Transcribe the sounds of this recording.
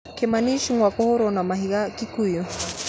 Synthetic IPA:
kɛmaniʃiŋwakɔhɔɾɔnamaɦiɣakikujɔ

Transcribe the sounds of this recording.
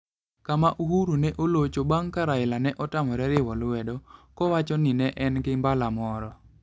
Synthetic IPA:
kamaʔuhuɾunɛʔolot͡ʃobaŋkaɾaɪlanɛʔɔtamɔɾɛɾɪwɔlwɛdɔkɔwat͡ʃɔnɪnɛʔɛnɡɪmbalamɔɾɔ

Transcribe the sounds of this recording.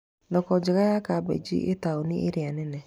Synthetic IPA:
dɔkɔd͡ʒɪkajakabḛd͡ʒḭʔetaonɪʔeɾɪanɪnɛ

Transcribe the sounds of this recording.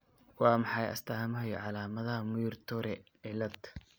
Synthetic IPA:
wɑːmɑħɑjɐ̰st̪ʰɐhɐmɐɦɐjɔʕɑlaːmɐðɐhɐmʊjʊrt̪ʰɔɾɛʕɪlɐd̪

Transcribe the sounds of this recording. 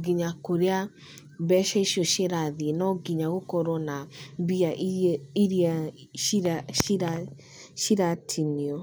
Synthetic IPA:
ɡiɲakoɾea | bɛʃɛiʃiɔʃeɾaðienɔɡiɲaɣokɔɾɔnabiaʔiɾia | iɾa | ʃiɾatʰiniɔ

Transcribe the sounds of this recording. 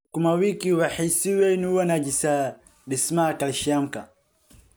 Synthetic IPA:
kumawikiwaħisiwɛnuwanad͡ʒisa | dismakaliʃiam̩ka

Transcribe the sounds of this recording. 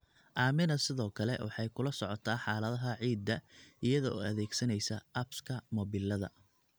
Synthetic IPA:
ʔaːmɪnɐsɪðɔːkʰɐlɛ̰wʔɑħɑjkʰʊlɐsɔʕɔt̪ʰaːħɑːlɐðɐɦɐʕiːd̪ːɐʔɪjɐðɔɔ̰ːɐðɛːɡsɐnɛjsɐʔɐbskʰɐmɔβɪlɐðɐ̰

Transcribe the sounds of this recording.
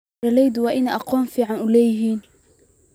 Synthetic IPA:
ɐlɛjd̪ʊwɑːʔɪnɛʔɑqɔːmfiːʕɑnʊlɛːjɪɦiːn

